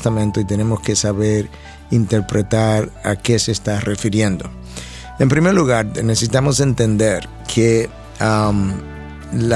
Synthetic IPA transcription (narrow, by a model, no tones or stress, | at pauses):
st̪amẽnt̪oit̪e̞ne̞moske̞saβeɾ | int̪eɾpɾet̪aɾa̰keseːst̪arefiɾje̞nd̪o | empɾimeɾluɣaɾnesesit̪amo̞se̞nt̪e̞nd̪eɾ | kʰe | am | la